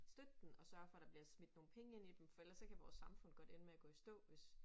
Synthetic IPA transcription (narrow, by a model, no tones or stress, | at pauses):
sd̥ød̥enɒ̽sɶɐfɒ̽d̥ɑ̈b̥liɐsmid̥no̝ːn̩pʰeŋəe̝nid̥emfɒ̽elɐsːɒ̽kʰæʋɒːsːɑ̈mfɔ̽n̰ɡ̥ɒ̽d̥e̝nmeæɡ̥ɔ̰isd̥ɔ̰̽ːʋe̝s